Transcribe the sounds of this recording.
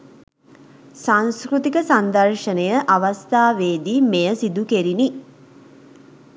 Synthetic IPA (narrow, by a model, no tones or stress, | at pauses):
saŋskɾut̪ikəsand̪əɾʃənəjəʔaʋast̪aːʋeːd̪imejəsid̪ukeɾini